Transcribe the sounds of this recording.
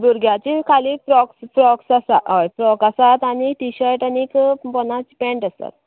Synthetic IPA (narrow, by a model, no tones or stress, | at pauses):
buɾɡjat͡ɕikʰalipɾɔkspɾɔksasaɔjpɾɔkasat̪aniʈiɕəɾʈanikpɔnat͡sipẽɳʈəsa̰t̪̚